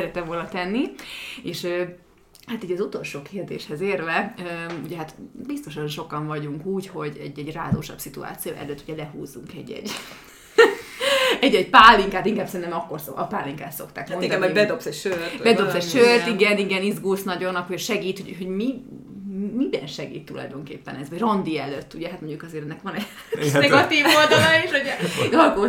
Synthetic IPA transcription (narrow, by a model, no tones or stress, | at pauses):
ɛɾɛt̪ɛɱvoːlnɒt̪ɛnːieːʃø | hat̪iːɟɒzut̪o̞lʃoːkʰeːrd̪ḛːʃhɛzeːrvɛøuɟɛɦat̪bist̪o̞ʃɒnʃo̞kɒɱvɒɟuŋkuːcho̞ɟɛ̰ɟːɛɟra̰ːzo̰ːʃɒ̰bsit̪ṵa̰ːt̪sijo̰ːʔɛ̰løːt̪ːuɟɛlɛɦṵːzuŋkɛ̰ɟːɛ̰ɟː | ɛɟɛɟpaːlːiŋkaːt̪iŋkaːb̥sɛɾint̪ɛmɒkːo̞rsoɒpaːlːiŋka̰ːt̪so̞kt̪a̰ːkmond̪ɛibɛd̪opsɛɟʃørbɛd̪o̞psɛɟʃørt̪iɡɛniɡɛnizɡulsnɒɟonːɒkhoʃɛɡiːt̪hoɟɦo̞ɟmi | mibɛ̰nʃɛɡḭːt̪ːulɒ̰jd̪o̞ŋkḛːpːɛnɛzʋɒɟrɒnd̪iɛlːøt̪ːuɟɛɦat̪moɲɟukɒzeːɾɛnːɛkʋɒnɛ̥ | nɛɡɒt̪iːvold̪ɒlɒeːʃuɟɛd̪ɒlko